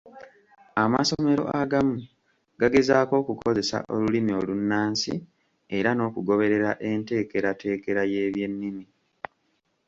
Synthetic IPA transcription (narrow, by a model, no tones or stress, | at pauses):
ama̰so̞me̞ɾo̞̰ʔaɡamu | ɡaɡe̞zaːko̞ːkukʰo̞ze̞sa̰ʔo̞lulimio̞lunːaːnsḭ | e̞ɾano̞ːkuɡo̞βe̞ɾe̞ɾaʔe̞ːnte̞ːke̞ɾate̞ːke̞ɾajeːβje̞nːimi